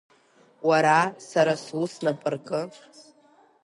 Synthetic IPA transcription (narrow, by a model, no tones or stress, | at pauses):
waɾasaɾasusnapʼɨrkʼɨ